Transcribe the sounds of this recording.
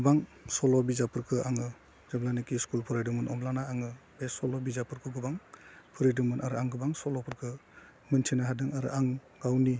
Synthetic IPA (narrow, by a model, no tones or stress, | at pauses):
ɡɯbaŋsɔlɔbizapʰɯɾkʰɯaŋɯ | zablanikiskulpʰuɾajdɯmɯnʔɔmlanaːŋɯb̥esɔlɔbizapʰɯɾkʰɯɡɯbaŋpʰɯɾidɯmɯnʔaɾɯaŋɡɯbaŋsɔlɔpʰɯɾkʰɯ | mɯntʰinaɦadɯŋaɾɯ̰aŋ | ɡawni